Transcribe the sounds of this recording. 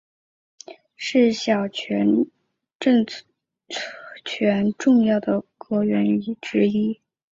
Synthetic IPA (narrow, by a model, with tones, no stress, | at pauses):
ʂɻ̩˥˩ɕjɑ˨˩ʊt͡ɕʰɛ˧˥n | ʈ͡ʂɤ˥˧ŋ | t͡ɕʰɥɛ˧˥nʈ͡ʂʊ˥˧ŋjɑ˥˩ʊd̪ə˩kɤ˧˥ɥɛ˧˥ny˨˩ʈ͡ʂɻ̩˥i˥